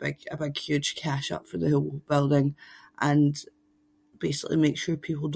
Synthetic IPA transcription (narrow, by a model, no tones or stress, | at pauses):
b̥ɪ̰ɡ̥ə̰bɪɡ̥hjʉd̥ʒ̥kʰaʃʌ̰pfə˞ðəhɪlˠwob̥ɪlˠdɪ̃ŋʔə̃n | b̥esɪʔlˠḭmekʃʉɹpʰipl̩ˠd